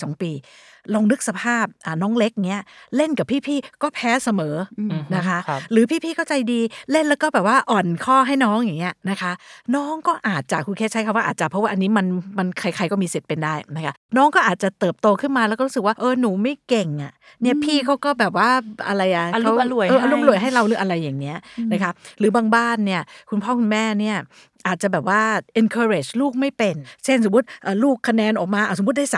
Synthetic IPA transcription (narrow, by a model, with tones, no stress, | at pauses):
sɔː˩˦ŋpiː˧ | lo˧ŋnɯ˦˥k̚sa˧pʰaː˥˩p̚ʔaː˨˩nɔː˦˥ŋle˦˥k̚ŋi˦˥ɐle˥˩nka˨˩pʰiː˥˩pʰiː˥˩kɔː˥˩pʰɛː˦˥sa˧mɤː˩˦na˦˥kʰa˦˥ʔɾɯː˩˦pʰiː˥˩pʰiː˥˩kɔː˥˩t͡ɕa˧jdiː˧le˥˩nlɛː˦˥kɔː˥˩bɛː˨˩p̚waː˥˩ʔɔː˨˩nkʰɔː˥˩ɦa˥˩jnɔː˦˥ŋja˨˩ŋːi˦˥ɐna˦˥kʰa˦˥ʔnɔː˦˥ŋkɔː˥˩ʔaː˨˩t̪̚t͡ɕa˨˩kʰu˧nkʰɛː˥˩t͡ɕʰkʰa˧mwa˥ʔa̰ː˨˩t͡ɕa˨˩pʰɔ˦˥waː˥˩ʔa˧nːiː˦˥ma˧nma˧nkʰa˧jkʰa˧jkɔː˥˩miː˧si˨˩pe˧ndaː˥˩jna˦˥kʰa˦˥nɔː˦˥ŋkɔː˥˩ʔaː˨˩t̪̚t͡ɕa˨˩t̪ɤː˨˩p̚t̪oː˧kʰɯ˥˩nmaː˧lɛː˧˦˥wkɔː˥˩u˦˥sɯ˨˩k̚waː˥˩ʔɤː˧˩nuː˩˦ma˥˩jke˨˩ŋʔa˨˩ | ni˥˩ɐpʰiː˥˩kʰa˦˥wkɔː˥˩bɛː˨˩p̚waː˥˩ʔa̰˧ɾa˧jʔa˨˩kʰa˦˥wʔɤː˧˩ʔa˧luː˧˥ma˧lu˨˩əjɦa˥˩jɾa˧wlɯː˩˦ʔa˧ɾa˧jːaː˨˩ŋni˦˥ɐna˦˥kʰa˦˥ɾɯː˩˦baː˧ŋbaː˥˩nːi˥˩ɐkʰu˧npʰɔː˥˩kʰu˧nmɛː˥˩ni˥˩ɐ | ʔaː˨˩t̪̚t͡ɕa˨˩bɛː˨˩p̚waː˥˩ʔi˧nkʰɤː˧ɾe˨˩t͡ɕluː˥˩k̚ma˥˩jpe˧nt͡ɕe˥˩nso˨˩˦mː˦u˦˥t̪̚ʔɤː˨˩luː˥˩kʰːa˧nɛː˧nʔɔː˨˩k̚maː˧ʔaː˨˩smu˦˥t̪̚daː˥˩sa˨˦